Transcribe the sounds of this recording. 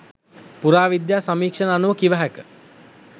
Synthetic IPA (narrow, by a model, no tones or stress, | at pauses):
puɾaːʋid̪jaːsamiːkʂənanuʋəkiʋəɦækə